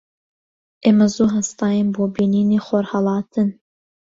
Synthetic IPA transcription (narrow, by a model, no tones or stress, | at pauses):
ʔeːmɐzuɦɐst̪ɑːjenboːbiːniːneːxoɾhɐlˠɑːt̪ʰɨn